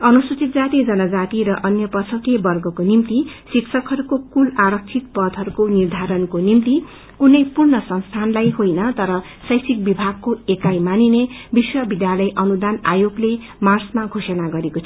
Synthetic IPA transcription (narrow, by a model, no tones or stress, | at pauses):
ʌnusut͡sit̪̚d͡zat̪id͡zʌnʌd͡zat̪iɾʌʔʌnjʌpʌsʰʌkebʌrɡʌkonimt̪isiksʰʌkɦʌɾukokulaɾʌk̚t͡sʰit̪̚pʌd̪ʱɦʌɾukonird̪ʱaɾʌnkonimt̪i | kunʌjpurnʌsʌnst̪ʰanlajɦojnʌt̪ʌɾʌ | sʌjsik̚bibʱaɡ̚kːoekajmaninebiswʌbid̪jalʌjʔʌnud̪ana̰joɡle | marsmaɡʱosʌnaɡʌɾekot̪ʰ